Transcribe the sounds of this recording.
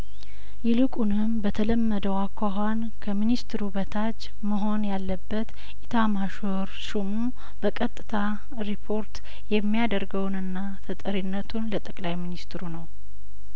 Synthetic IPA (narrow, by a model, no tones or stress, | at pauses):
jɛlɨkʼunɨmbət̪ʰələmːəd̪əwakʷːaɦan | kʰəminist̪ɾubət̪ʰat͡ʃː | məɦo̞njalːəbːət̪ | ʔit̪ʰamaʃoɾʃumu | b̥əkʼət̪ʼːɨt̪ʰa | ɾipʰo̞ɾt̪ | jɛmːijad̪əɾɡəwnɨnːa | t̪ʰət̪ʼəɾinːət̪ʰunlət̪ʼəkʼlajminist̪ɾunəw